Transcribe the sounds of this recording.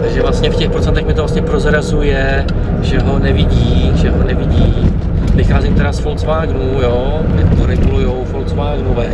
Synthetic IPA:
t̪aɡʒɛvlast̪ɲɛfcɛxpɾot͡sɛnt̪ɛxmɪt̪ovlast̪ɲɛpɾo̞zɾazujɛ | ʒɛɦo̞nɛvɪɟiːʒɛɦo̞nɛvɪɟiː | vɪxaːzimt̪ɛɾasfolsvaːɡnujoː | mɪt̪oɾɛɡulujo̞wfolsvaːɡnovɛː

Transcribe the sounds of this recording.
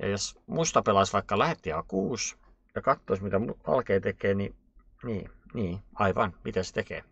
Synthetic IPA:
jɑ̰josmust̪ɑpelɑsʋɑikːɑlæhet̪ːihɑkuːs | jɑkɑt̪ːoismit̪æmuʋɑ̰lkeːt̪ekeːni | niːniːɑiʋɑnmit̪æst̪ekḛː

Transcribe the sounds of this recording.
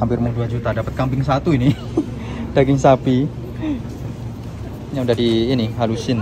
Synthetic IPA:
ampɪrmuŋduad͡ʒut̪adapət̪̚kampɪŋsat̪uini | d̥aɡɪŋsapi | jaŋudaɦdiːniɦalusɪn

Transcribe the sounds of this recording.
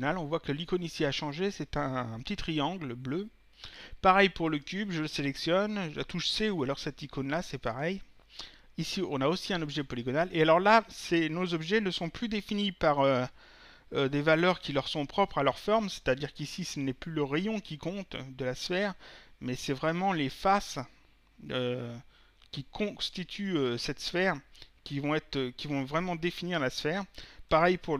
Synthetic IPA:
nalɔ̃vwakəlikonisiaʃɑ̃ʒesɛt̪ɛ̃pə̥t̪it̪χiɑ̃ɡlblø | paʁɛjpuʁləkʲybʒələselɛksjɔnʒəa̰t̪uʒəseualɔʁsɛt̪ikonlasɛpaʁɛj | isiɔ̃naosiɛ̃nɔbʒɛpɔliɡɔnalealɔʁlasenozɔbʒɛnəsɔ̃plyd̪efinipaʁø | ød̪evalœʁkʲilœʁsɔ̃pχɔpχalœʁfɔʁmse̥t̪ad̪iʁkisisənɛplyləʁɛjɔ̃kʲikɔ̃t̪d̪əlasfɛːʁmɛsɛvʁɛmɑ̃lefas | ø | kʲikʰɔ̃st̪it̪ʰyøsɛt̪sfɛʁkʲivɔ̃ɛt̪χøkʲivɔ̃vʁɛmɑ̃d̪efiniʁlasfɛːʁpaʁɛjpuʁ

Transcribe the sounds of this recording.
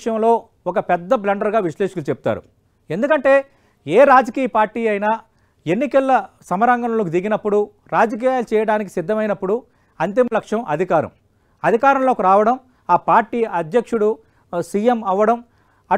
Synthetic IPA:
ʂjɐmlo̞ː | ɔkɐpɛd̪ːɐb̬lɐɳɖɐɾɡaːʋiʂlɛːʂɐklut͡ʃebut̪a̰ːɾṵ | e̞nd̪ukɐɳʈe̞ː | eːɾaːd͡ʒɐkiːjɐpaːɾʈːiːɐjnaː | enːikɐlːɐ | sɐmɐɾɐŋɡɐnɐloːkud̪iɡinɐpːuɽu | ɾaːd͡ʒɐk̬iːjaːlut͡ʃɛːjɐɽaːnik̬i̥sid̪ʱːɐmɐjnɐpːuɽu | ɐnt̪imɐlɐkʂjɐmʔɐd̪ʱikaːɾɐ̰m | ɐd̪ʱikaːɾɐmlo̞ːkiɾaːʋɐɽɐm | aːpaːɾʈːiːɐd̪jɐkʂuɽu | sijemɐʋːɐɽɐm | ɐ

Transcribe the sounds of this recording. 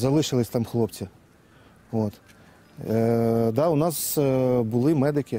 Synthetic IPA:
zɐlˠɪʃɪlˠɪsʲt̪ɑmxlˠɔpt͡sʲi | ot̪ | d̪ɑʊnɑsbʊlˠɪmɛd̪ɪkʲɪ

